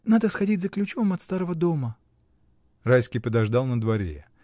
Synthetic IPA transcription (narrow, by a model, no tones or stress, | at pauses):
nad̪əsxɐdʲitʲzəklʲʉt͡ɕo̞mɐt̪st̪aɾəvəd̪o̞mə | rajskʲijpəd̪ɐʐd̪ɑlˠnəd̪vɐɾʲḛ